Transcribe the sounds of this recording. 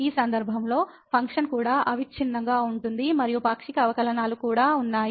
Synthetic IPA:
iːsɐnd̪ɐɾbʱɐmlo̞ː | pʰɐŋkʂɐnkuːɽaːʔɐʋikt͡ʃʰinːɐŋɡaːuɳʈund̪imɐɾijupaːkʂikɐɐʋɐkɐlɐnaːlukuːɽaːunːaːji

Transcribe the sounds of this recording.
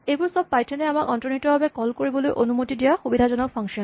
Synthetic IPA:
ejbʊɹsɔb̚pajtʰɛnɛamakɔntɹɔnitɔbabɛkɔlkoɹibɔlojʔonumotidijaxubidʱazɔnɔk̚pʰɔŋkʃiɔn

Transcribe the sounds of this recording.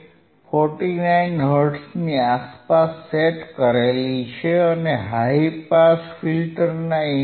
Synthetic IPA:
fɔɾʈinainɦəɾɖsniaspasːeʈkəɾelit͡ʃʰeəneɦaipasfilʈəɾnai

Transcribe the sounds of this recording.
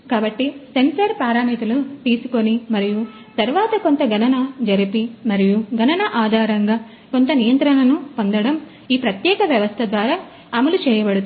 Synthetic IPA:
kaːbɐʈːise̞nsɐɾpaːɾaːmiːt̪ulut̪iːsu̥ko̞nimɐɾiju | t̪ɐɾuʋaːt̪ɐko̞nt̪ɐɡʱɐnɐnɐd͡ʒɐɾipimɐɾijuɡʱɐnɐnɐʔaːd̪ʱaːɾɐŋɡaː | ko̞nt̪ɐnijɐnt̪ɾɐnɐnupo̞nd̪ɐɽɐm | iːpɾɐt̪jɛːkɐʋjɐʋɐst̪ʰɐd̪ʋaːɾaː | ɐmulut͡ʃɛːjɐbɐɽut̪

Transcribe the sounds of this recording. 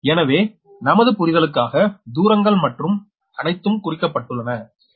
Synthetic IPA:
ɛnɐʋeː | nɐmɐðɯpʊɾɪðɐɭɯkːaːɣɐd̪uːɾɐŋɡɐɭmɐʈrɯm | ɐnɐɪt̪ːɯmkʊrɪkːɐpːɐʈːɯɭːɐnɐ

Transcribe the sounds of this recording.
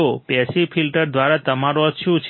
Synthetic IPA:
opjɛsifʰilʈəɾd̪ʋaɾat̪əmaɾoəʃʰũt͡ʃʰ

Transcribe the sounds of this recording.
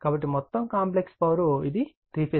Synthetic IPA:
kaːbɐʈ̬ːimɔt̪ːɐmkaːmplekspɐʋɾuid̪i | t̪ɾiːpʰeː

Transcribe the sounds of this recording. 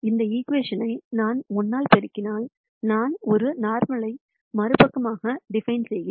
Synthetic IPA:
ɪnd̪ɐiːkʋeːʂɐnɐɪnaːnɔnːaːlpɛɾɪkːɪnaːl | naːnɔɾɯnaːɾmɐɭɐɪ | mɐɾɯpɐkːɐmaːɣɐɖɪfɐɪnsɛjɣɪ

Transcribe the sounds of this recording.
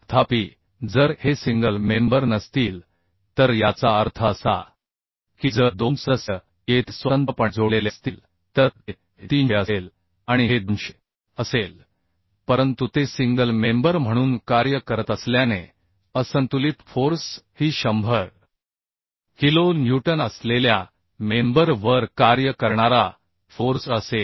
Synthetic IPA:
t̪ʰapiː | d͡zəɾhesiŋɡəlmẽmbəɾnəst̪iːl | t̪əɾjat͡saəɾt̪ʰəsa̰ | kid͡zəɾd̪onsəsə | et̪sʋənt̪əpəɳd͡zolelest̪iːl | t̪əɾe | t̪iːnəel | aɽ̃iɦed̪unɕe̥ | əsel | pəɾənt̪ut̪esiŋɡəlmembəɾm̤əɽ̃uːnkaɾjəkəɾət̪əsljane | əsənt̪ulit̪foɾshiːɕəmbʱəɾ | hilonjuʈənəslelja | membəɾʋəɾkaɾjəkəɾɳaɾa | foɾsəse

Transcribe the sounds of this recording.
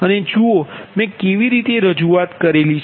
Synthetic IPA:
əned͡ʒoomɛ̃keʋiɾit̪eɾəd͡ʒuat̪kəɾelit͡ʃʰ

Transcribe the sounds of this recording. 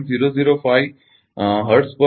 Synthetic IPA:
nziːɾoziːɾofaj | ɦəɾʈspə

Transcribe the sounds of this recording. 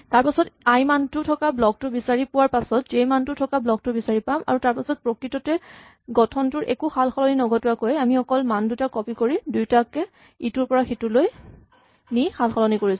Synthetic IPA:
taɹpasɔtajmantʊtʰɔkablɔk̚tʊbisaɹipʊwaɹpasɔtzejmantʊtʰɔkablɔk̚tʊbisaɹipama̰ɹutaɹpasɔt̚pɹɔkitɔtɛ | ɡɔtʰɔntʊɹʔɛ̰kuxalxɔlɔninɔɡɔtʊakojamixɔkɔlmandutakɔpikoɹidujtakɛ | ituɹpɔɹaxituloj | nixʰalxɔlɔnikoɹis

